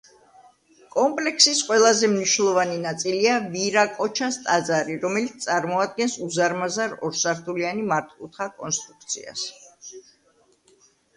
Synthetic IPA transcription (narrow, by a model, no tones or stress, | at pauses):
kʼɔmpʼlɛksisqʼwɛlˠazɛmniʃnlˠɔvaninat̪sʼiliaviɾakʼɔt͡ʃʰast̪ʼad̪zaɾiɾɔmɛlit̪st̪ʼaɾmɔad̪̚ɡɛnsuzaɾmazaɾɔɾsaɾt̪ʰulianimaɾt̪ʼut̪ʰχakʼɔnst̪ʼɾuk̚ʰt̪sʰḭa̰s